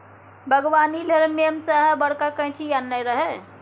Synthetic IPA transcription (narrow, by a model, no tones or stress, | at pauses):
bʱəɡʋaːnilelmemsəɦəbəɽ̤kakə̃j̃t͡ʃʰijanːəjɾəɦɛ